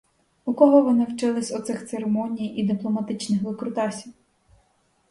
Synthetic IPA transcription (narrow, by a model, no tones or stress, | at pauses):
ukɔɦɔʋɔnɪwt͡ʃɪlˠɪsʲʊt̪sɪxt̪seɾemɔnʲijid̪ɪplˠɔmɐt̪ɪt͡ʃnɪxʋɪkɾʊt̪ɑsʲiw